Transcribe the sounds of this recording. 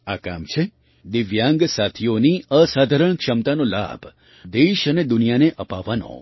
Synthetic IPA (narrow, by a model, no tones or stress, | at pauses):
aka̰mt͡ʃʰe | d̪ɪʋjãŋɡsat̪ʰioniəsad̪ʱaɾəɳkʂəmt̪anola̰bʱ | d̪eʃəned̪ʊnijaneʔəpaʋːano̰